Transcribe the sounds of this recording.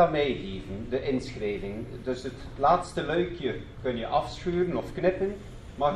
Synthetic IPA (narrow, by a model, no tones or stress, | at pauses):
amejɦiːvəndəʔɪnsxreːvɪŋdɵsət | laːtstəlœɥkjər | kɵnjəʔɑfsxyːɾənɔfknɪpən | ma